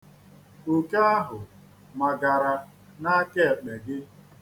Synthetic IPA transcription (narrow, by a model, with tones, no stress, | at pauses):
u˨ka˦a˦ɦʊ˨ | ma˨ɡa˨ɾa˨ | na˦ke˦e˨k͡pe˨ɡɪ˦